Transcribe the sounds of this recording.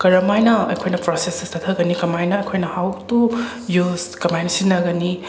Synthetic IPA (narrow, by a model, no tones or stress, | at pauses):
kɐɾɐmajnɐɐ̰jkʰojnɐpɾosesestɐt̪ʰɐɡɐnikɐmajnɐːjkʰojnɐhawtu | juzkɐmajnsinːɐɡɐni